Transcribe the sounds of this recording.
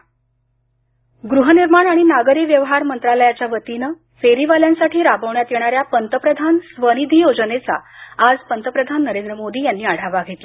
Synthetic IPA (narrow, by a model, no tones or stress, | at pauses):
ɡɾuɦəniɾmaɳaɽ̃inaɡəɾiːʋjəʋɦaɾmənt̪ɾaləjat͡ɕjaʋət̪inə | feɾiʋaljansaʈʰiːɾabəʋɳjat̪jeɽ̃aɾjapənt̪əpɾəd̪ʱansʋənid̪ʱijod͡zənet͡sa̰ːd͡zpənt̪əpɾəd̪ʱanːəɾend̪ɾəmod̪iːjanːiːaɽ̤aʋaɡʱet̪le